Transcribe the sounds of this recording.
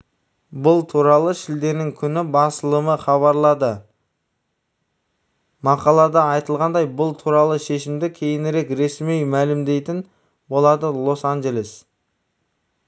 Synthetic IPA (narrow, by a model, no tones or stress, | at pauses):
bʊlˠt̪ʰuɾɑlˠəʃɪld̪e̞ɾnɪŋkʲʰʏnɪbɑsəlˠəməχɑβɑɾlˠɑd̪ə | mɑqɑlˠɑd̪ɑɑjt̪əlˠʁɑnd̪ɑjbʊlˠt̪ʰuɾɑlˠəʃe̞ʃɪmd̪ɪkʲʰe̞jɪnɪɾe̞kɾe̞smejmælɪmd̪e̞jt̪ɪn | bo̞lˠɑd̪əlˠo̞sanʒe̞lʲe̞s